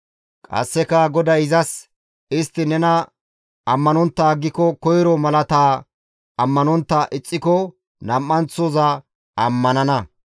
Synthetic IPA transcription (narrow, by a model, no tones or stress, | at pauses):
kʼɐ̰sːɛkɐɡɔd̪ɐjɪzɐs | ɪst̪ːɪnɛnɐ | ɐmːɐnɔnt̪ːaːɡːɪkɔkɔjɾɔmɐlɐt̪aː | ɐmːɐnɔnt̪ːɐʔɪt͡sʼːɪkɔ | nɐmːɐnt͡sːɔzɐ | ɐmːɐnɐnɐ